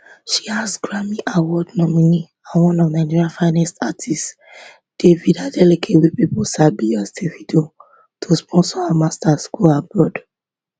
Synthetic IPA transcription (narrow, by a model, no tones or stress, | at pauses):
ʃiasɡɹamiʔawɔdnɔmini | ãnwɔ̃nɔvnãɪ̃d͡ʒiɹiãfãɪ̃nɛstatʰist | d̥evidadɛlekʰewepipɔʃabiastʰefido | tʰospʰɔ̃nsɔhamastaskulabɹɔd